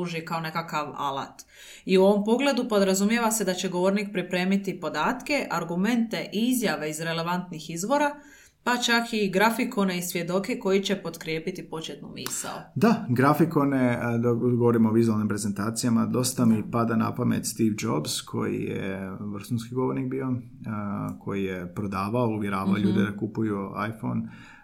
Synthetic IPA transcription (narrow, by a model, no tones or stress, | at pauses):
uʒikao̞ne̞kakaʋa̰la̰t̪ | iuo̞ʋo̞mpo̞ɡle̞d̪upo̞d̪ɾazumje̞ʋase̞d̪at͡ɕe̞ɡo̞ʋo̞ɾnik̚pɾipɾe̞ːmit̪ipo̞d̪aːt̪ke̞ʔaɾɡume̞nt̪e̞ʔiizjaʋe̞izɾe̞le̞ʋant̪nixizʋo̞ɾa | pat͡ʃakiɡɾafiko̞ne̞isʋje̞d̪o̞ke̞ko̞jit͡ɕe̞po̞d̪kɾje̞ːpit̪ipo̞t͡ɕet̪nṵmḭːsa̰od̪aɡɾafikoned̪ɡoʋoɾimoːʋizualnimpɾe̞zent̪aːt̪sijamad̪o̞st̪amipad̪ana̰pamḛt̪st̪iʋd͡ʒobzkʰo̞̰jḭjḛʋr̩xunskiɡoʋo̞ɾnik̚bijo̞ | kʰo̞jijepɾo̞d̪aːʋaouʋjeɾaːʋaoʎuːd̪ed̪akupujua̰jfo̰n